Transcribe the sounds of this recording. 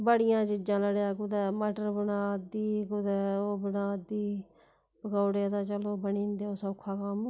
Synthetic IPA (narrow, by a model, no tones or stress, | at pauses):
bəɽɪjãːt͡ʃɪd͡ʒãːləɽeaːkʊd̪ɛːməʈəɾbənaːd̪iːkʊd̪ɛːoːbənaːd̪iː | bəɡaːɽeːət̪aːt͡ʃəloːbəniːnd̪eːoːsəʊkʰːaːkam